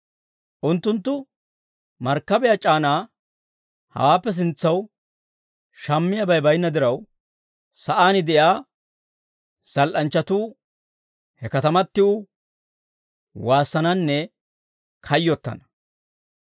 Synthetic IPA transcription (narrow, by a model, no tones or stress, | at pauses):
ʔʊnt̪ːʊnt̪̬ːʊ | mɐɾkːɐbɛjat͡ʃʼaːnaː | hɐ̰waːpːɛs̬ɪnt͡sːɐw | ʃɐmːɪjɐbɐjbɐjnːɐd̪ɪɾɐw | sɐʔaːnɪd̪ɛjaː | sɐlʔɐnt͡ʃːɐt̪uː | hɛkɐt̪ɐmɐt̪ːɪʊ | waːsːɐnɐnːɛ | kʰɐjːɔt̪ːɐ̰nɐ